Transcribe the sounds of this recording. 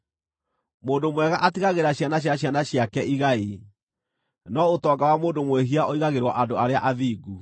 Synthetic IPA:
moːndomwɛɣaʔatiɣaɣeɾaɕjanaɕ̬jaɕ̬janaɕjakɛʔiɣai | nɔotɔːɡawamoːndomweɦiaʔɔiɣaɣeɾwaʔadoaɾeaʔaðiːɡu

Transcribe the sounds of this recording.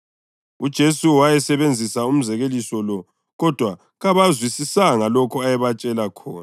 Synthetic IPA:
ud̥ʒ̥ʱesuwajɛsɛβend͡zʱisaum̩zɛɣelisɔlɔ | ɣɔd̥ʱwa | ɣaβazwisisaŋalɔkʰɔajɛβat͡ʃʼɛlakʰɔ̰ːna

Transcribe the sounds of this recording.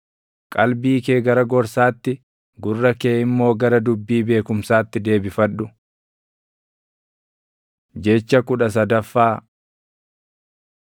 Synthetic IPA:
kʼɐlbiːkeːɡɐɾɐɡɔɾsaːt̪ːɪ | ɡʊrːɐkeːɪmːo̞ːɡɐɾɐd̪ʊbːiːbe̞ːkʊmsaːt̪ːɪd̪e̞ːbɪfɐᶑːʊ | d͡ʒɛt͡ʃːɐkʊᶑɐs̬ɐd̪ɐfːaː

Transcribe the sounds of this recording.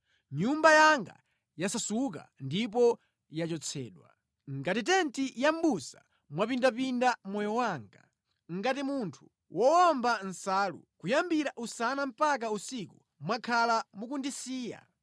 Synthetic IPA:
ɲumbajaŋɡa̰ | jasasuka̰ndip̬ɔ | jat͡ʃɔt͡sʰɛ̰ːɗwa̰ | ŋɡatit̬ɛntijam̩busa̰ | mwapindapindamɔjɔwaːŋɡa | ŋ̩ɡatimuntʰu̥ | wʔɔwamban̩saːlṵkujambiɾaʔusanam̩pak̬ausiku | mwakʰalamukundisiːja̰

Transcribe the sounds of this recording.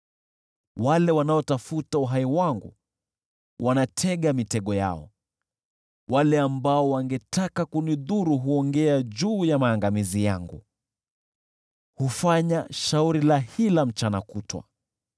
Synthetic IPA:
walɛwanaɔtafutauɦaiwaŋɡṵ | wʔanatʰɛɠamitɛɠɔja̰ɔ̰ | walɛambaɔwaŋɡɛtakakuniðuɾuɦuɔŋɡɛad͡ʒuːjamaːŋɡamizijaŋɡṵ | hufaɲaʃauɾilahilam̩t͡ʃanakutwa̰

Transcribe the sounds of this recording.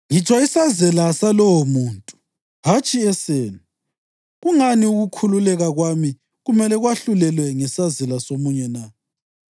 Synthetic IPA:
ŋit͡ʃʰʼwaisazɛlasalɔwɔmuːntʼu̥ | ɦat͡ʃʼiɛseːnu | ɣuŋaniuɣukʰululɛɣaɣwami | ɣumɛlɛɣwaɬulɛlwɛŋɛsazɛlasomuɲɛna

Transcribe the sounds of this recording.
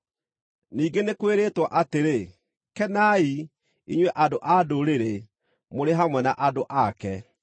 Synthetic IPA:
niːɡenekweɾeːtwaʔateɾe | kɛnai | ḭɲwɛʔadoʔadoɾeɾe | moɾeɦamwɛnaʔadoʔakɛ

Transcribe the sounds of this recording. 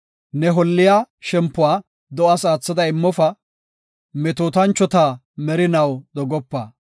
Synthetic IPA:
nɛɦɔlːɪjaːʃɛmpːʊwaː | d̪ɔʔɐsaːt͡sːɐd̪ɐɪmːɔfɐ | mɛt̪oːt̪ɐnt͡ʃːɔt̪a | mɛɾɪnɐwɗ̪ɔɡɔpːɐ

